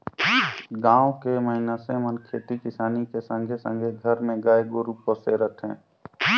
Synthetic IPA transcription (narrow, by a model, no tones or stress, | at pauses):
ɡãːwkeməɦɪnasemənkʰeːt̪ikɪsaːnikesə̃ŋɡʱesə̰̃ŋɡʱeɡʱəɾmẽɡaːeɡoɾuposeɾət̪ʰɦɛ̰̃ː